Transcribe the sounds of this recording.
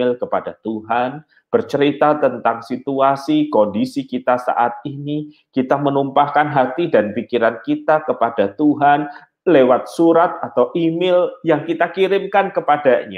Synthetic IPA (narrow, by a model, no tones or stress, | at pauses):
ɪlkəpadat̪uɦan | b̥ərt͡ʃəɾit̪at̪ənt̪aŋsit̪uasikɔndisikit̪asa̰ʔat̪̚inikit̪amənumpahkanɦat̪idanpikiɾankit̪akəpadat̪uɦan | lewat̪̚suɾat̪̚at̪awʔimɪljaŋkit̪akiɾɪmkankəpadaɲa